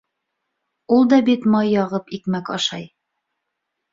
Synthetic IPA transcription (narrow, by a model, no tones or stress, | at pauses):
ulˠd̪ɑbit̪mɑjːɒʁɤpikmækɑʃɑj